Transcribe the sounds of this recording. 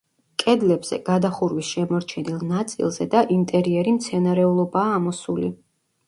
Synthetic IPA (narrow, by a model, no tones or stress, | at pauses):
kʼɛd̪lɛbz̥ɛ̰ɡ̥ad̪aχuɾwisʃɛmɔɾt͡ʃʰɛnilˠnat̪sʼḭlˠzɛd̪aʔint̪ʼɛɾiɛɾimt̪sʰɛnaɾɛulˠɔbaːmɔsulḭ